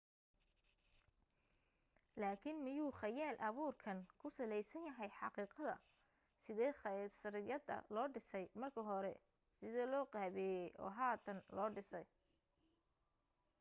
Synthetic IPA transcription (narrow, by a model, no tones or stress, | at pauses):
laːkʰɪnmɪjuːχɑjaːlʔɐβuːrkʰɐnkʰʊsɐlɛjsɐnjɐɦɛjħɑqiːqɐðɐ̰ | sɪðɛːχɐsɾɪjɐd̪ɐ̰lɔːɖɪsɛjmɐrkʰɐɦɔɾɛ̰ | sɪðɛːlɔːqɑːβɛjɛjʔɔ̰ːɦaːt̪ʰɐnlɔːɖɪsɛj